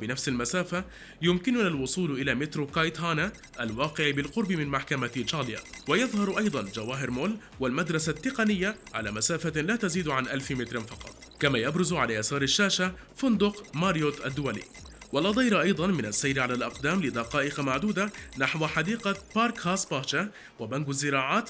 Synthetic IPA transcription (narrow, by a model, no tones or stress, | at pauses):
bɪnafsɪlmasaːfa | jʊmkɪnʊnalwʊsˤuːlʔɪlaːmɪt̪ɾokajt̪haːna | ʔalwɑːqɪʕɪbɪlqʊɾˤbɪmɪnmaħkamat͡ʃaːlja̰wajɑðˤhɑɾˤʔɑjd̪ˤɑnd͡ʒawaːɦɪɾmoːl | walmad̪ɾˤɑsat̪ːɪqɑnɪjːaʕa̰laːmasaːfalaːt̪aziːd̪ʕanʔalfɪmɪt̪ɾɪfɑqɑ̰t̪ˤkamaːjabɾʊzʕalaːjasɑːɾˤɪʃːaːʃa | fʊnd̪ʊqmaːɾjoːt̪ʔad̪ːʊwalḭː | walʔɑd̪ˤɑjɾɑʔɑjd̪ˤɑnmɪnasːajɾɪʕalalʔɑqd̪aːmlɪd̪ɑqɑːʔɪqɑmaʕd̪uːd̪anaħwħɑd̪iːqɑpaːɾˤkhaːspaːt͡ʃa | wabanɡazːɪɾɑːʕaːt̪